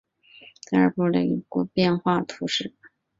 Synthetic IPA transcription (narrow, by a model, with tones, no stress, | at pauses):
t̪ʰɤ˥ə̰˞˧pu˥˩lə̰˨˩i˧˥˩ku˥pjɛ˥˧nxwa˥˩t̪ʰu˧˥ʂɻ̩˥˩